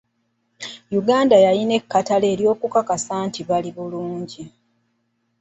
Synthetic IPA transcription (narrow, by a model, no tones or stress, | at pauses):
juɡaːndajaline̞kːatale̞ːɾjo̞ːkukakasaːntiβaliβuluːɲɟi